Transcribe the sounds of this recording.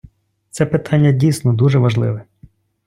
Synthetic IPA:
t̪sɛpɪt̪ʰɑnʲːɐdʲijsʲnɔd̪uʒɛʋɐʒlˠɪ̰ʋɛ

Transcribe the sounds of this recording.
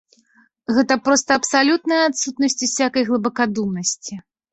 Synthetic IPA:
ɣɛt̪ɐpɾɔst̪ɐːpsalʲut̪nɐjɐat̪sut̪̚nɐsʲt͡sʲusʲakɐjɣlˠɨbɐkad̪umnɐsʲt͡sʲi

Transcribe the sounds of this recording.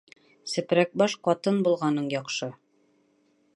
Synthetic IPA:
sɘ̆pɾæk̚bɑʃqɑt̪ɤnbulˠʁɑnɤɴjɒqʃɤ

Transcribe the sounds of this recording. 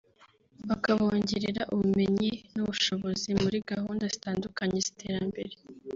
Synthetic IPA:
βakaβoːɲɟeɾeɾaʔuβume̞ɲinuβuʃo̞βo̞zimuɾiɡahuːndazitaːndukaɲe̞z̥i̥tʰe̞ːɾambe̞ɾe̞

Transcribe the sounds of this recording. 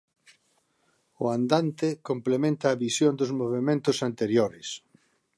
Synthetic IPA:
ʊand̪ant̪ɪkomplemẽnt̪aːβisjond̪ʊzmoβemẽnt̪ʊsant̪eɾjoɾɪs

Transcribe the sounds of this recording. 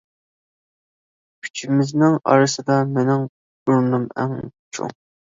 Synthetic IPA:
kʲʰy̥t͡ʃʰimɪznɪŋɑ̰ɾɨsɨd̪ɑmenɪŋ | uɾnumæ̰ŋ̰t͡ʃʰṵ

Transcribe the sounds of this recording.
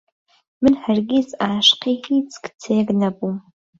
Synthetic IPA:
mɨnħarɡʲizaːʃqiit͡sʰʼkt͡sʰeːɡnɐbum

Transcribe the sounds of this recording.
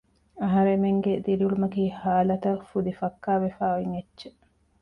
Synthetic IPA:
ɐɦɐɾemeŋɡed̪iɾiulumɐkiːhaːlɐt̪ɐfud̪ifɐkːaːʋefaːoiŋetːʃe

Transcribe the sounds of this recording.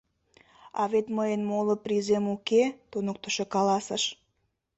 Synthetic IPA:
ɑ̰βet̪məjənmolə̆pɾizemuket̪onək̚t̪əʃekɑlɑsəʃ

